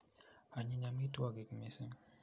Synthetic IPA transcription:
a˨ɲi˦ɲa˦mi˦tu˦a˦˨ɡi˨kmi˦se˦ŋ

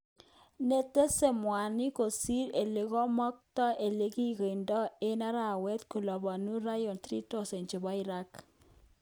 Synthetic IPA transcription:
ne˦te˦se˦˨mwa˨ni˦ko˨si˦ɾe˨le˨ɣɔ˦mɔ˦k̚tɔ˦ʔe˨le˦ki˦ɣe˨ndɔ˦e˦na˦ɾa˨wɛ˦tku˨lɔ˨bɔ˨nu˦ɾa˦jɔ˨ntɾi˦to˦se˨nt͡ʃe˨bɔ˦i˦ɾa˦k

